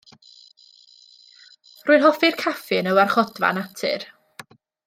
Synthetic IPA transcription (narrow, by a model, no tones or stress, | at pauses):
rʊɨlˠɦɔfɪrkʰafɨnəwarχɔdva̰natʰɪ̰r